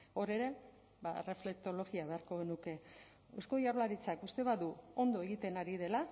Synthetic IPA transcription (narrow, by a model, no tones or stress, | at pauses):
o̞ɾe̞ɾe̞ | bare̞fle̞k̚t̪o̞lo̞ɣiaβe̞aɾko̞ɣ̞e̞nuke̞ | esko̞jaɾlaɾit͡sakust̪e̞βaðuo̞nd̪o̞e̞ɣit̪e̞naɾiðe̞la